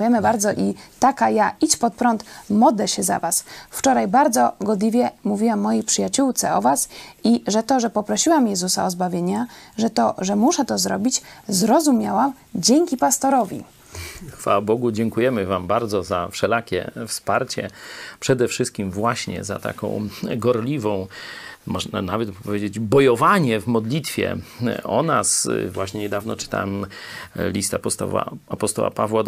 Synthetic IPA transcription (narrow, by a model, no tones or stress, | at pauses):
jɛmɘbaɾd̪zɔʔit̪akajait͡ɕpɔt̪̚pɾɔnt̪mɔd̪lɛɕɛza̰vasft͡ʂɔɾajbaɾd̪zɔɡɔd̪lʲivʲjɛmuvʲiwamːɔjipʂɘjat͡ɕuwt̪sɛ̰ɔvasiʐɛt̪ɔʐɛpɔpɾɔɕiwamjɛzusaɔzbavʲjeɲaʐɛt̪ɔʐɛmuʂɛt̪ɔzɾɔbʲit͡ɕzɾɔzumʲjawam | d͡ʑeŋkʲipast̪ɔɾɔvʲḭ | xfa̰wabɔɡud͡ʑɛŋkujɛmɘvambaɾd̪zɔzafʂɛlakʲɛ̰fspaɾt͡ɕɛ̰pʂɛd̪ɛfʂɘst̪̚kʲimvwaɕɲɛ̰za̰t̪a̰kɔ̰̃w̃ɡɔɾlʲivɔ̃w̃mɔʐnanavɛt̪pɔpɔvʲjed͡ʑed͡ʑbɔjɔvaɲɛvmɔd̪lʲit̪fʲjɛ̰ɔ̰nasvwaɕɲɛɲɛd̪avnɔ̰t͡ʂɘ̥t̪a̰wɛm | lʲist̪apɔst̪ɔ̰a̰apɔst̪ɔ̰wa̰pavwa